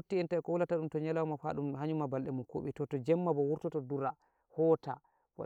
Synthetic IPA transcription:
otːiɛntaɛkɔwulataɗumtɔɲɛlawɔmafa̰ɗumhaɲumabalɗɛmunko̰ɓḭtɔtɔd͡ʒɛmːabɔwuɾtɔtɔduɾa | hɔta̰ | wɔ̰

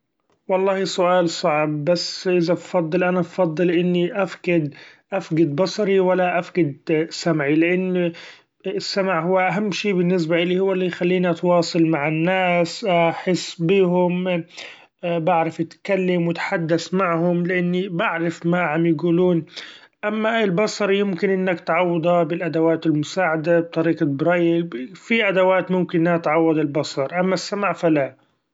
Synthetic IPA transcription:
wɑlˤːɑːhisʊʔaːlsˤɑʕb̚ːasːʔɪðabfɑd̪ˤːɨlʔanabfɑd̪ˤːɨlʔɪnːiʔafɡɪd̪ʔafɡɪd̪̚bɑsˤɑɾiwalːaʔafɡɪd̪samʕilɪʔanː | ɪsːamaʕɦʊwːaʔaɦamːʃiːbɪnːɪs̬baʔɪlihʊwːalːijxalːiːniʔɑt̪wɑːsˤɑlmaʕɪnːaːsʔaħɪsːbiːɦʊm | baʕɾafɪt̪kalːamwɪt̪ħad̪ːaθmaʕhʊmlɪʔanːibaʕɾɪfmaʕamjɡuːluːn | ʔamːaɪlbɑsˤɑɾˤjɪmkɪnʔɪnːakt̪ʕɑwːɑd̪ˤɑbɪlʔad̪awaːt̪ɪlmʊsaːʕad̪ab̚t̪ˤɑɾiːqɑbɾɑːjɪlfiʔad̪awaːt̪mʊmkɪnat̪ʕɑwːɑd̪ɪlbɑsˤɑɾˤʔamːasːamaʕfala

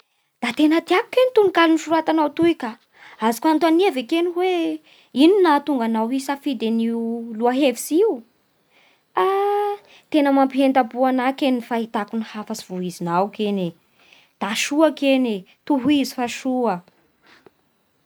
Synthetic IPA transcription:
d̪̥at̪enət̪iaku̥kenit̪unikaluniʃuɾat̪anawt̪uikʲa | azi̥kuant̪aniavekeniwe | ininat̪uŋɡanawisafid̪eniuluaɦeviziu | a | t̪enəmampiɦend̪abuanakenifaɦit̪akunihafasi̥v̥uizinawkene | d̪̥aʃuakene | t̪uɦuizi̥faʃuə

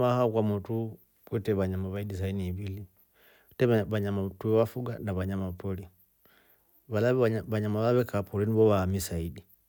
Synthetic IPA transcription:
ahaɔkwamɔtu | kwɛtɛβaɲamaβaidis̬ainiːbili | tɛβaɲamatuɛwafuɡanaβaɲamapɔli | βalaββaɲamaβaβɛkapɔlɛniβɔwaːmisaidi

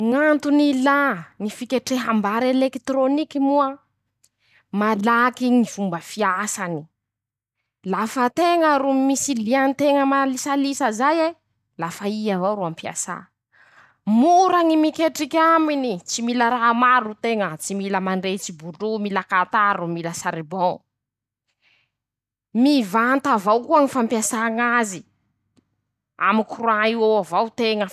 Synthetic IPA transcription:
ŋant̪unilanifikʲeʈ͡ʂeɦambaɾelekt̪ɾonikimuə | malakiŋivumbəfiasani̥ | lafət̪eŋəɾumisilianit̪eŋəmalisalisəzaje | lafaiavaɾuampia̰sa̰ | muɾaŋimikeʈ͡ʂikʲaminit͡similəɾaɦmaɾut̪eŋət͡similəmaɳɖ͡ʐet͡sibuɖ͡ʐumilakat̪aɾumiləsaɾebɔ̃ŋ | mivant̪avawkuaŋifampjasaŋazi | a̰mikuruaiwowavawt̪eŋə

